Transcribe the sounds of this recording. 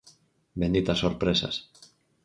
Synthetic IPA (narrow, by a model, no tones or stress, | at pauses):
bend̪it̪asːoɾpɾesa̰s